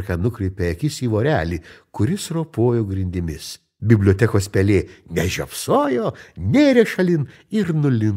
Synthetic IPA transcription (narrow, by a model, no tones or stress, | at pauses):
ɾkɐnʊkɾʲɛɪpʲeɛkʲɪsiːʋoːɾʲæːlʲiːkʊɾʲɪsɾoːpoːjoːɡɾʲɪnʲd̪ʲɪmʲɪs | bʲɪbʲlʲoːt̪ʲɛkoːspʲɛlʲeːnʲɛʒʲo̰psoːjoːnʲeːɾʲeːʃɐlʲɪn | ɪɾnʊlʲɪn